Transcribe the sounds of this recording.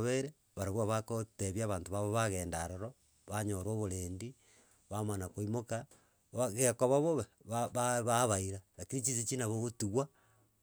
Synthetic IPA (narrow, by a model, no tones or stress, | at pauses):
βeɾe | βaɾaɣwaβakoteβjaβaːntoβaβoβaɣeːndaɾoɾo | βaɲoɾoβoɾeːndi | βamanakoimoka | βaɣekoβaβoβββaβaβaiɾanakiɾit͡ʃisit͡ʃinaβoɣotiɣwa